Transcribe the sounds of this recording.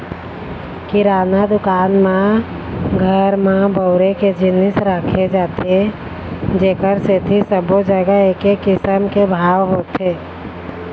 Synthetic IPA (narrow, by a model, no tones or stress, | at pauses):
kɪɾaːnad̪ʊkaːnmẽ | ɡʱəɾmẽbəʊɾeked͡ʒɪnɪsɾakʰed͡ʒaːt̪e | d͡ʒeːkəɾset̪ʰisəbod͡ʒəɡəekekɪsəmkebʱaːwɦoːt̪ɦe